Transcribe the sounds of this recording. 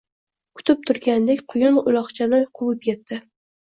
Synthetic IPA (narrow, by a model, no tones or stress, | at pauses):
kʰʊ̥t̪ɪp̚t̪ʰʊɾɡʲand̪ekʲqʰʊjʊnʊlˠɒχt͡ʃʰanɒjqʰʊlˠɪp̚kʲʰet̪ːɪ